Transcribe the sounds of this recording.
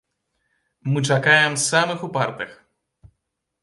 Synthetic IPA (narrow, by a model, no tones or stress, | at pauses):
mɨt͡ʂakajɛmsamɨxupart̪ɨx